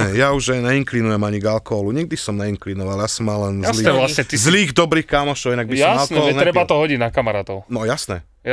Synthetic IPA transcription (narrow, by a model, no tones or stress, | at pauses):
ɛjauʒɛɲɛiŋklinujɛmaɲiɡalkɔɦɔluɲɛɡ̚d̪isɔmɲɛiŋklinɔʋaljasɔmːallɛnzliɛlasɲɛizliːɣd̪ɔbɾiːxkamɔʃɔʊinaɡbisjamsalnɔɛɦɔlɛnɾɛbat̪ɔɦɔɟiɟnakamaɾaːt̪ɔʊnɔjasnɛ